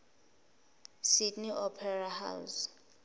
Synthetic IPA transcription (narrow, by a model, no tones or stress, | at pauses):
sidniʔɔpʰɛraha̰ws